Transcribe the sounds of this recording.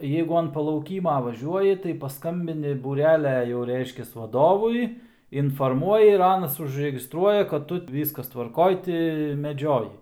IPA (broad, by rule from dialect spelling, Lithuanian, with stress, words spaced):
ˈjɛɪɡʊ ɐn pɐlˠɐʊˈkʲiːmɐ ʋɐˈʒʲuɔjɪ tɐɪ pɐˈskɐmʲbʲɪnʲɪ bʊˈrʲæːlʲɛ jɛʊ ˈrʲɛɪʃʲkʲɛs ʋɐˈdoːʋʊɪ ɪnfoːrˈmuɔjɪ ɪr ˈɑːnɐs ʊʒʲrʲɛɡʲɪstˈruɔjɛ kɐt ˈtʊ ˈʋʲiːskɐs tʋɐrˈkoːj tʲɪ mʲɛˈd͡ʒʲoːjɪ